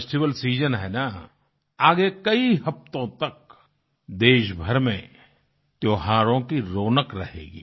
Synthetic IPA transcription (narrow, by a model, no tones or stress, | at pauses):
sʈiʋəlsiːd͡ʒənɦɛːna | aːɡekɐiɦɐft̪õt̪ɐk̚ | d̪eːʃbʱɐɾmẽ | t̪joːɦaːɾõkiɾoːnəkɾɐɦḛːɡḭː